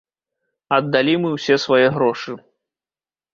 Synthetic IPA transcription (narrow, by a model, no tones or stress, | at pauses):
ɐd̪ːalʲimɨwsʲɛsvajɛɣɾɔʂɨ